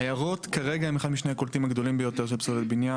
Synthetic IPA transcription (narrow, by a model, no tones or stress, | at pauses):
ajaʁo̞t̪kaʁeɡaemeχad̪miʃneakolt̪imaɡd̪o̞limbejo̞t̪eʁʃ̬elpsolet̪̚binja